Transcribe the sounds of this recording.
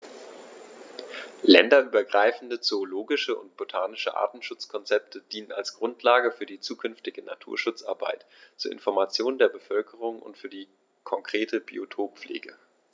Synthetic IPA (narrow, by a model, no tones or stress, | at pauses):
lɛndɐʔyːbɐɡʁaɪfn̩dət͡soːloːɡɪʃəʔʊ̰ntb̥otʰaːnɪʃəʔa̰ːɐtn̩ʃʊt͡skʰɔnt͡sɛp̚tʰəd̥iːnənalsɡ̥ʁʊntʰlaːɡəfyːɐdiːt͡suːkʰʏnftɪɡəna̰tʰṵːɐʃʊt͡sʔa̰ɐbaɪt | t͡suːɐʔɪ̰nfɔɐmat͡sjoːndeːɐbəfœlkʰəʁ̞ʊŋʔʊ̰ntfyːɐdiː | kʰɔŋkʁ̥eːtʰəbḭotʰoːp̚p͡flḛːɡə